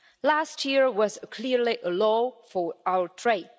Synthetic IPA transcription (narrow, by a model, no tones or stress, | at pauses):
lastʰjiəɹwɔzəkʰliɹliʔəlɔfɔɹaʊə˞tʰɹed̚